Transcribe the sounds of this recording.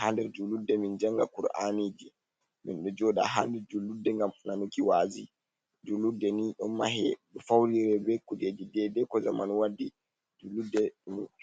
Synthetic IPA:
handɛɾd͡ʒuludːɛmind͡ʒaŋɡakuɾa̰nid͡ʒi | mḭnɗɔd͡ʒɔɗa̰ɦandɛd͡ʒulːudɛŋɡamnanukiwaːzi | d͡ʒulːudːɛniɗɔnmahɛɗɔfawɾiɾɛbɛkud͡ʒed͡ʒidɛdɛkɔza̰ma̰nwadːi | d͡ʒulːudːɛɗm

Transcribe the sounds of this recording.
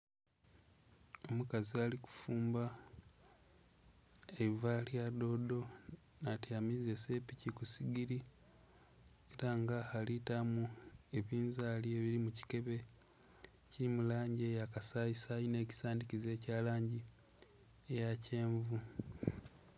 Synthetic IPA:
o̞mukazialiku̥fuːmba | eβivaliado̞ːdo̞ | natiamizese̞picikusiɡiɾi | eɾaŋɡahalitamue̞βiːnzalie̞βiɾimuci̥ke̞βe̞ | cimulaːɲɟe̞jakasaisajine̞ːci̥saːndicize̞ːcaːlaːɲɟi | ejace̞ːɱvu

